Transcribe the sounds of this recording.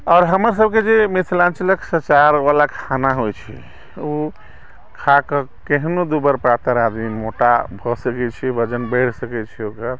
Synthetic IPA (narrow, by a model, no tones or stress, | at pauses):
ɔːɾɦəməɾsəb̚ked͡ʒemit̪ʰlãnt͡ʃələksət͡ʃaɾʋalakʰanaɦojt͡ʃʰḭ | uo | kʰakəkeɦnod̪ubəɾpɾat̪əɾad̪mimoʈa̰bʱɔsəkɛt͡ʃʰibəd͡ʒənbəʈʰsəkɛt͡ʃʰiokəɾ